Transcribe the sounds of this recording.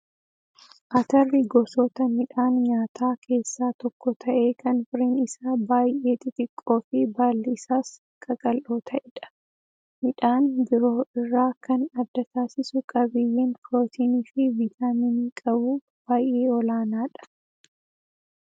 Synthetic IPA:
ʔɐt̪ɐrːɪɡɔsɔt̪ɐmɪᶑaːnɲaːt̪ʰaːkʰe̞ːsːaːt̪ɔkːɔt̪ʰɐʔe̞ːkɐnfɪɾiːnɪsaːbaːjʔe̞ːt̪ɪt̪ʼɪkʼːo̞ːfɪbaːlːɪɪsaːs | kʼɐkʼɐlʔoːt̪ʰɐʔɛᶑɐ̥ | mɪᶑaːnbɪɾoːɪrːaːkɐnɐd̪ːɐt̪aːsɪsʊkʼɐbɪjːeːnfɾo̞ːt̪ʰiːniːfɪviːt̪aːminiːkʼɐbuː | b̥aːjʔe̞ːɔlaːnaːᶑɐ̥

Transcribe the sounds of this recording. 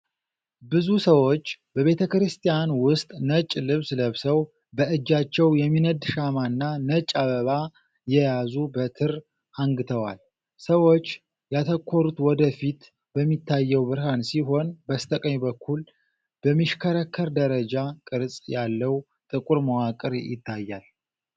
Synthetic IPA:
bɨzusəwo̞t͡ʃːbəβe̞t̪ʰəkɾɨst̪ʰijanwʊst̪ʼnət͡ʃʼlɨβsləβsəw | bəʔɨd͡ʒːat͡ʃːɛwjɛmːinəd̪ʃamanːanət͡ʃʼːaβəβa | jɛjazubət̪ʰɨɾ | aŋɡɨt̪ʰəwa̰l | səwo̞t͡ʃː | jat̪ʰəkʰːoɾut̪wɔd̪əfit̪ | b̥əmːit̪ʰːajːɛwbɨɾɦansiɦo̞nbəst̪ʰʼəkʼəɲbəkʰːul | b̥əmːiʃkʰəɾəkʰːəɾd̪əɾəd͡ʒakʼɨɾsʼjalːəw | t̪ʼɨkʼuɾməwakʼɨɾjɪ̰t̪ʰːajːal

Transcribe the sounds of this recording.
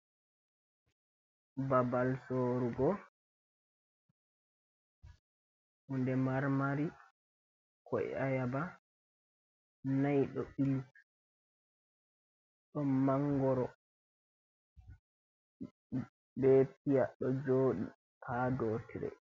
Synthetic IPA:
babalsoːɾuɡɔ | hundɛmaɾmaɾi | kʰɔɛ̰ajaba | najɗɔɓilt | ɗɔmaŋɡɔɾɔ | bɛp̚ijaɗɔd͡ʒoːɗḭ | pʰadotiɾɛ̰

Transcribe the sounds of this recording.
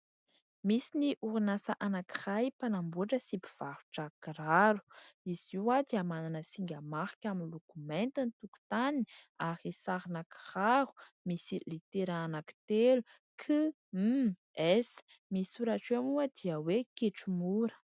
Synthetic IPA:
misiniʔuɾinasaʔanaki̥rajpanambuʈ͡ʂəsipi̥v̥aɾu̥ʈ͡ʂakiraɾu̥iz̥iwad̪iamananəsiŋɡʲəmaχi̥kʲaminlokument̪init̪uku̥t̪anaɾisaɾinaki̥raɾu̥ | misilit̪eɾaanaki̥t̪elu | kʰɨ | ɛs | misuɾaʈ͡ʂamuəd̪̥iəwekeʈ͡ʂumuɾə̥

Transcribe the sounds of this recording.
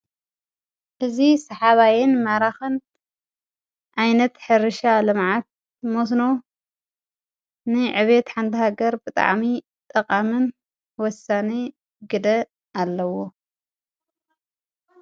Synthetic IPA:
ʔɨzisɐħaβajɪnmaɾaxɨn | ʕajnɐt̪ħɨɾɨʃalɨmʕat̪̚ | mosno̞ | nɨʕɨβet̪ħant̪ʰɨhaɡɐɾbɨt̪ʼa̰ʕmi | t̪ʼɐqʼamɨn | wɔsane | ɡɨd̪ɐ | alːɐwo

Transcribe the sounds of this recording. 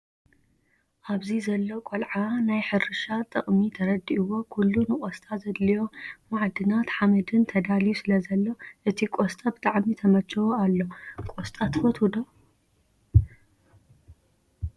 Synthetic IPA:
ʔaβzizɐlːokʼolʕanajħɨɾɨʃat̪ʼɨ̰χʼmit̪ʰɐɾɐd̪ːiʔɨwo̞kʰulːunɨkʼost̪ʼazɐd̪lijo̞maʕd̪ɨnat̪ħamɐd̪ɨnt̪ʰɐd̪alijusɨlɐzɐlːoʔɨt̪ʰikʼost̪ʼɐbɨt̪ʼaʕmit̪ʰɐmɐt͡ʃːɐwoalːo̞kʼost̪ʼat̪ʰfot̪hud̪o

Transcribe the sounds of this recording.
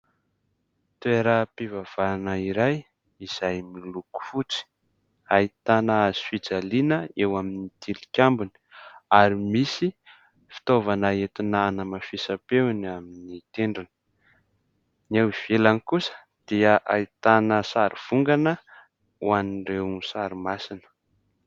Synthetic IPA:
t̪ueɾəpivav̥anəiɾaj | iz̥ajmiluku̥fut͡si̥ | ait̪anaaz̥i̥fid͡zalinəewaminit̪ʰilikʲambuni̥aɾimisi | fi̥t̪ovanaet̪inaanəmafisapenaminit̪eɳɖ͡ʐini̥ | newiv̥elanikusə̥ | d̪̥iəʔait̪anəsaɾiv̥uŋɡanə | uaniɖ͡ʐewnsaɾimasinə̥

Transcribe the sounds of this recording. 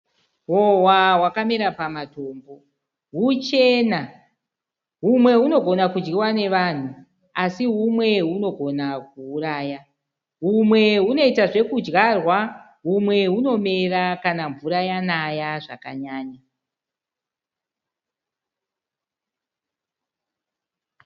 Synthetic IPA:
ɦo̞wawakameɾapamato̞ːmbo̞ | ɦut͡ʃe̞na | ɦumwe̞uno̞ɡʱo̞nakud͡ʒɡiwane̞ʋan̤u | asiɦumwe̞ɦuno̞ɡʱo̞nak̚uːraːja | ɦumwe̞ɦuno̞itaʐe̞kud͡ʒɡarwa | ɦumwe̞ɦuno̞me̞rakanaɱvuɾajanajaʐa̰ka̰ɲaːɲa

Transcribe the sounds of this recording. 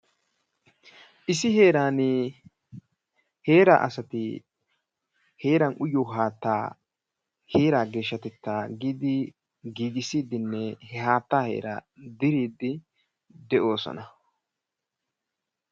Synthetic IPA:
ʔɪsɪɦe̞ːɾaːnɪ | he̞ːɾa̰ʔɐ̰sɐt̪ɪ | he̞ːɾɐnʔʊjoɦaːt̪ːa̰ː | heːɾaːɡe̞ːʃːɐt̪ɛt̪ːaːɡiːd̪ɪ | ɡiːɡɪsiːd̪ɪnːɛhɛhaːt̪ːaːhe̞̰ːɾa̰d̪ɪɾiːd̪ɪ | d̪ɛʔo̞ːsɔ̰nɐ

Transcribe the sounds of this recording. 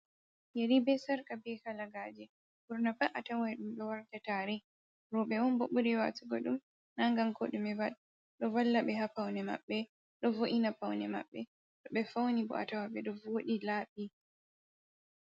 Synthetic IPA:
jeɾibɛsaɾkabɛkalaɡaːd͡ʒɛ | buɾnabaʔatawaɗumɗɔwaɾtataɾɛ | ɾɔɓɛwɔnboɓuɾiwa̰tuɡɔɗum | naŋɡaŋkoɗumɛval | ɗɔvalːaɓɛɦapawnɛma̰ɓːɛ | ɗɔvoʔinapawnɛma̰ɓːɛ | ɗɔɓɛfawnibɔ̰ʔa̰tawaɓɛɗɔvoɗilaːɓi

